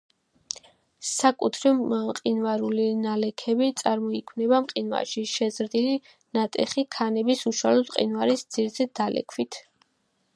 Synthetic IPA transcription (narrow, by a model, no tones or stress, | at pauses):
sakʼut̪ʰɾɛmqʼinvaɾulinalɛkʰɛbit̪sʼaɾmɔikʰwnɛbamqʼinwa̰ɾʃiʃɛzɾd̪ili | nat̪ʼɛχikʰanɛbisuʃwalɔsqʼḭnvaɾisd̪z̥iɾzɛd̪alʔɛ̰kʰwit̪ʰ